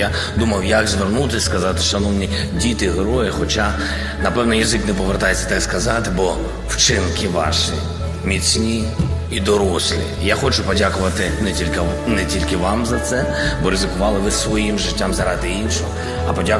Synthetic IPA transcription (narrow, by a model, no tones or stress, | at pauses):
ja | d̪umɐwjɐɡzʋernut̪ɪsʲskɐzɑt̪ɪ̥ʃɐnɔwnʲi | dʲit̪ɪɦɾɔjɪxɔt͡ʃa | nɐpɛwnɔjɐzɪknɛpɔʋert̪ajet͡sʲːɐ̥t̪akskɐzɑt̪ɪbɔ | wt͡ʃɪnkɪʋɑ̰ʃḭ | mʲit͡sʲnʲi | id̪ɔɾɔslʲˠḭjaxɔt͡ʃʊpɔdʲakʊʋɐt̪ɪnɛtʲilʲkɪnɛtʲilʲkɪʋɑmzɐt̪sɛ | bɔɾezɪkʊʋɑlˠɪʋɪsʋɔjimʒɪtʲːamzɐɾɑd̪ɪinʃɔɔ | ɐpɔdʲa